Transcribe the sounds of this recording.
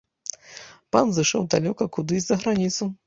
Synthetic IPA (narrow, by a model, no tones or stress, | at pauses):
panzɨʂɔwd̪alʲɔkɐkud̪ɨzɐɣɾanʲit̪su